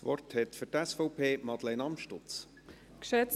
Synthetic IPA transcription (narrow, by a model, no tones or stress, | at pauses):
vɔrthɛtfʏɾtɛsfɔʊpʰeːmɑd̪lɛɪnɑmʃtʊt͡s | kʃɛt